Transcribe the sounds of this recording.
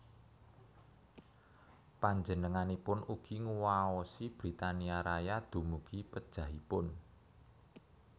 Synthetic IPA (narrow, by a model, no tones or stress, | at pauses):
paɲd͡ʒənəŋanipʊnuɡ̥i̤ŋuwaɔsib̥ɾit̪aniaɾajad̪̥ṳmuɡ̥ipəd̥ʒ̥ä̤ɦipʊn